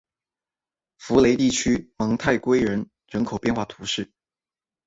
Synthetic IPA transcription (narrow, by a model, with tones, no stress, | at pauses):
fu˧˥le˧˥ɪt̪i˥˩t͡ɕʰy˥mɑ˧˥ŋt̪ʰa˥˩ɪkwe˥ɪɻə˧˥n | ɻə˧˥nkʰo˨˩ʊpjɛ˥˧nxwa˥˩t̪ʰu˧˥ʂɻ̩˥˩